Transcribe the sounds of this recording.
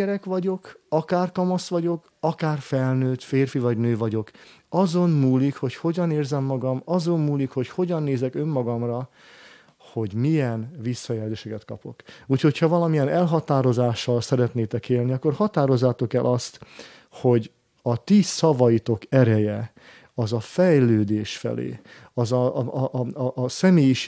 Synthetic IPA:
ɛɾɛkʋɒɟo̞kɒkaːrkɒmɒsʋɒɟo̞k | ɒkaːrfɛlnøːt̪feːrfivɒɟnøːvɒɟo̞k | ɒzo̞nmuːlikho̞cho̞ɟɒneːrzɛmːɒɡɒmɒzo̞mmuːlikho̞cho̞ɟɒnːeːzɛkø̞mːɒɡɒmrɒ | ho̞ɟmijɛnvisːɒjɛlzeːʃɛkɛt̪kɒ̰po̞kuːcho̞cʰhɒvɒlɒmijɛnɛlɦɒt̪aːɾo̞zaːʃːɒlsɛɾɛt̪neːt̪ɛkeːlniɒkːo̞rhɒt̪aːɾo̞zːaːt̪o̞kɛlʔɒst̪ | ho̞ɟ | ɒt̪isɒvɒjit̪o̞kɛɾɛjɛ | ɒzɒfɛjløːd̪eːʃfɛ̰lḛː | ɒzɒʔʔsɛmeːjiʃ

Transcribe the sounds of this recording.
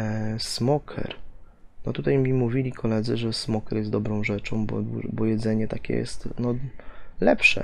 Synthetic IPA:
smɔkʰɛ̰ɾ | nɔt̪ut̪ajmʲimuvʲilʲikʰɔlɛd̪zɘʐɛsmɔkɛɾjɛsd̪ɔbɾɔ̃w̃ʐɛt͡ʂɔ̃w̃bɔ̰d̪bɔjɛd̪zɛɲɛt̪akʲɛ̰jɛ̰st̪nɔlɛpʂɛ̰

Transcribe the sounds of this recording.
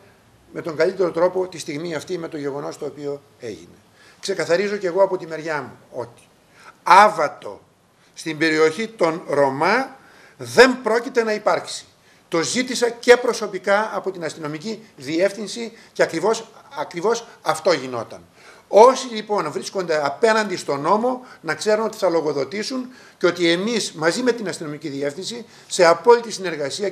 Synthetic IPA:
me̞t̪o̞ŋɡɐlit̪e̞ɾo̞t̪ɾo̞po̞t̪ist̪iɣmiɐft̪ime̞t̪o̞ʝe̞ɣo̞no̞st̪o̞ːpio̞ | e̞̰ʝḭne̞ | kse̞kɐθɐɾizo̞ce̞ɣo̞ɐpo̞t̪ime̞ɾʝɐmuo̞t̪i̥ | ɐvɐt̪o̞̰ | st̪imbe̞ɾio̞çit̪o̞nɾo̞mɐ | ðe̞mpɾo̞cit̪e̞nɐipɐɾksi̥ | t̪o̞zit̪isɐce̞pɾo̞so̞pikɐɐpo̞t̪inɐst̪ino̞miciðie̞fθinsice̞ɐkɾivo̞sɐkɾivo̞sɐft̪o̞ʝino̞̰t̪ɐ̰n | o̞silipo̞nvɾisko̞nd̪e̞ɐpe̞nɐnd̪ist̪o̞no̞mo̞nɐkse̞ɾunot̪i̥θɐlo̞ɣo̞ðo̞t̪isun | ceo̞t̪ie̞mismɐzime̞t̪inɐst̪ino̞miciðie̞fθinsi | se̞ɐpo̞lit̪isine̞ɾɣɐsiɐ

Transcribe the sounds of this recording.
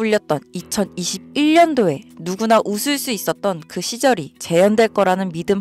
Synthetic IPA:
uʎːʌt̚t͈ʌnit͡ɕʰʌniɕʰib̚iɭːʌndoe̞nuɡunaʔusʰɯɭs͈uis͈ʌt̚t͈ʌnkɯɕʰid͡ʑʌɾit͡ɕe̞jʌndwe̞ɭk͈ʌɾanɯnmidɯm

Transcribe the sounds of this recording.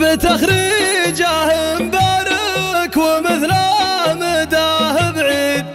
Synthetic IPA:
bət̪axɾid͡ʒahmbaɾəkwəməθlaməd̪ahəbʕiːd̪̚

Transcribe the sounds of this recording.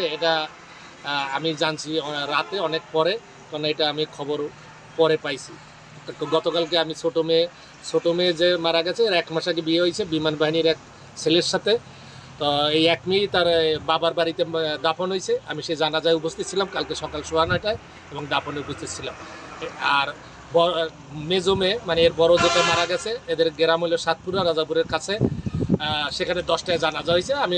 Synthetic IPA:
eeʈa | amid͡ʑant͡ɕʰiɾat̪eɔnek̚pɔɾe | k̪ɔnaejʈaamiekʰːɔboɾ | pɔɾepajt͡ɕʰi | ɡɔt̪okalkeamisoʈome | sʰoʈomed͡ʑemaɾaɡɛt͡ɕʰeeɾaɛkmaʃak̬ebieɦojt͡ɕʰebimanbaɦiniɾɛk̚ | seleɾʃat̪ʰe | t̪ɔejɛkmijt̪aɾbabaɾbaɾit̪ed̪apʰonɦojt͡ɕʰeamiʃed͡ʑanad͡ʑaeupost̪it̪ːt͡ɕʰilamkalkeʃɔkalʃoɦanaʈae | eboŋd̪apʰoneupost̪ʰit̪t͡ɕʰilam | aɾ | bɔ | med͡ʑomemaneeɾbɔɾod͡ʑeʈamaɾaɡɛt͡ɕʰeed̪eɾɡeɾamojloɾsat̪̚puɾaɾad͡ʑapuɾeɾkʰat͡ɕʰe | ʃekʰaneɖɔsʈaed͡ʑanad͡ʑaɦojt͡ɕʰeami

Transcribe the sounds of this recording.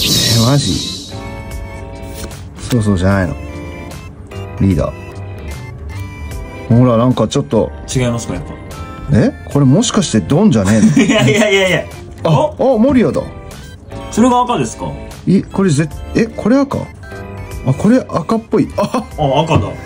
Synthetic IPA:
emaʑḭ | so̞ːs̬o̞ːʑanaino̞̰ | ɾʲiːd̪a̰ː | moɾanãŋkat͡ɕo̞t̪ːo̞̰t͡ɕiɡaimasɨ̥kajapːa̰ | e̞kʰo̞ɾe̞mo̞ɕi̥kaɕi̥t̪e̞d̪õ̞ɲ̟d͡ʑanẽ̞aaaja | aamo̞ɾʲiad̪a̰ | soɾeɡaːkad̪e̞sɨ̥ka | iko̞ɾe̞zete̞kʰo̞ɾe̞aka̰ | ako̞ɾe̞ʔakapːo̞iaːkad̪a

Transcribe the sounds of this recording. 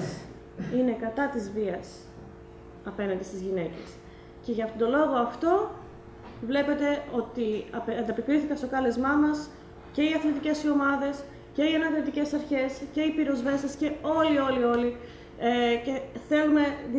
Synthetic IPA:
s | ine̞kɐt̪ɐt̪izviɐs | ɐpe̞nɐnd̪ist̪izʝine̞ce̞s | ce̞ʝɐft̪ot̪o̞lo̞ɣo̞ɐft̪o̞ | vle̞pe̞t̪e̞o̞t̪iɐpɐnd̪ɐpikɾiθikɐst̪o̞kɐlezmɐmɐs | ce̞iɐθlit̪ice̞sio̞mɐðe̞s | ce̞iɐnɐðɾot̪ice̞sɐɾçe̞sce̞ipiɾo̞zve̞sesce̞o̞lio̞lio̞li | ece̞θe̞lume̞ð

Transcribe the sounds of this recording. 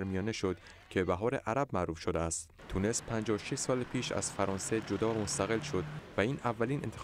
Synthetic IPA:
ɾmijɒːneʃo̞d̪ | cʰebæɦɒːɾe̞ʔæɾæbmæʔɾuːfʃod̪eæst̪ | t̪ʰune̞spʰænd͡ʒɒːʃeʃsɒːlpʰiːʃæ̰z̥fæɾɒːnse̞d͡ʒod̪ɒːmost̪æɣe̞lʃo̞d̪væiːnʔævːæliːnʔe̞nt̪ʰe

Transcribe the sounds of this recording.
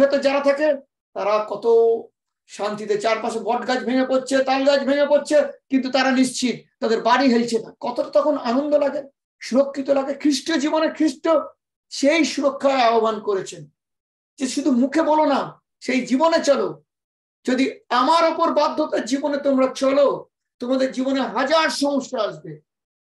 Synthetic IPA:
ot̪ed͡ʑaɾat̪ʰake | t̪aɾakɔt̪o | ʃant̪it̪et͡ɕaɾpaʃebʱɔʈɡad͡ʑbʱeŋepoɾt͡ɕʰet̪alɡad͡ʑbʱeŋepoɾt͡ɕʰekint̪ut̪aɾaniʃt͡ɕʰit̪̚t̪ːad̪eɾbaɽiɦelt͡ɕʰenakɔt̪oʈḁt̪ɔkʰonanond̪olaɡe | ʃuɾokʰːit̪olaɡekʰɾiʃʈod͡ʑibonekʰɾiʃʈo | ʃejʃuɾokʰːaaobankoɾet͡ɕʰen | d͡ʑeʃud̪ʱumukʰebolona | ʃejd͡ʑibonet͡ɕɔlo | d͡ʑod̪iamaɾɔpoɾbad̪ʱːot̪eɾd͡ʑibonet̪omɾat͡ɕɔlo | t̪omad̪eɾd͡ʑiboneɦad͡ʑaɾʃɔŋoʃːaaʃbe

